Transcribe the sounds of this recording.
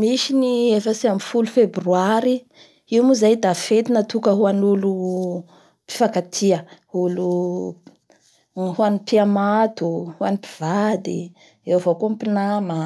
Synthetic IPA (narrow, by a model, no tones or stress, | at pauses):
miʃiniefəsiamifulufebryaɾi | iwmuzajd̪afet̪inət̪ukəɦuanulu | pi̥fakat̪ʰiəhulu | ɦuanipiamat̪uhuanipi̥v̥ad̪i | ewvokumpinamə